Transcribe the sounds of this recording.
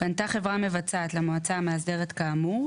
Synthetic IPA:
b̥ant̪aχe̞vʁame̞vat͡saːt̪lemoat͡sameas̬de̞ʁetkaːmu

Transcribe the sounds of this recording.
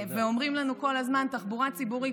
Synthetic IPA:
veo̞mʁimlanuko̞lazmant̪aχbuʁat͡sibuʁi

